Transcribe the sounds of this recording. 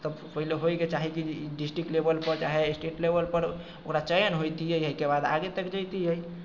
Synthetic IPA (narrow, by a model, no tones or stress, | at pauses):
t̪əbpəɦileɦojket͡ʃaɦikiɖisʈɾik̚ʈlebəlpəɾt͡ʃaɦesʈeʈlebəlpəɾ | okɾat͡ʃəjnɦojt̪iəjɦəjkebad̪a̰ɡet̪əkd͡ʒəjt̪iəj